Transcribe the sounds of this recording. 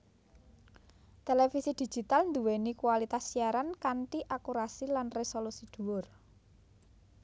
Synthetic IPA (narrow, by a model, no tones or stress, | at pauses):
t̪elefisid̪̥i̤̥d͡ʒ̥i̤t̪alnd̪uwenikuwalit̪asːiaɾankaɳʈiʔakuɾasilanresolusid̪̥ṳwʊr